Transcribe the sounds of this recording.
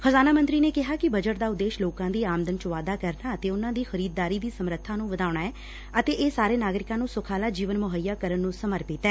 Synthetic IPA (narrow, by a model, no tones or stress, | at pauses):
pʰəzaːnaːmə̃nt̪ɾiːneːkɪɦaːkɪbəd͡ʒəʈd̪aːʊd̪ːeːʃloːkãːd̪iːaːmd̪ənt͡ʃəʋaːd̪aːkəɾnaːət̪eːʊnãːd̪iːxəɾiːd̪̚ːaːɾiːd̪iːsəmɾət̪ʰːãːnũːʋəd̪aːʊɳaːɛː | ət̪eːʔeːsaːɾeːnaːɡɾɪkãːnũːsʊkʰaːlaːd͡ʒiːʋənmʊɦəjːaːkəɾənːũːsəməɾpiːt̪ɛː